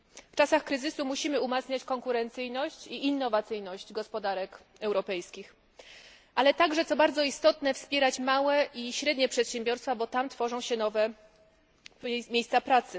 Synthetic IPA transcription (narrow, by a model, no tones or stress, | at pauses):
ft͡ʂasaxkɾɘzɘsumuɕimɘumat̪sɲat͡ɕkɔŋkuɾɛnt̪sɘjnɔɕt͡ɕiʔinːɔvat̪sɘjnɔɕd͡ʑɡɔspɔd̪aɾɛk | ɛwɾɔpɛjskʲix | ʔalɛt̪aɡʐɛt̪sɔbaɾd̪zɔist̪ɔt̪nɛfspʲjɛɾat͡ɕmawɛʔiɕɾɛd̪ɲɛpʂɛt̪ɕɛmbʲjɔɾst̪fabɔt̪amt̪fɔʐɔ̃w̃ɕɛnɔvɛ | mʲejst̪apɾat̪sɘ